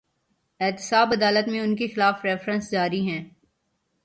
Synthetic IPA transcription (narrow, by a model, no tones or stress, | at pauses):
ɪːt̪ɪ̥saːbɐd̪aːlət̪mẽʊnkexɪlaːfɾɛːfɾə̃nsd͡ʒaːɾiɦɛ̃ː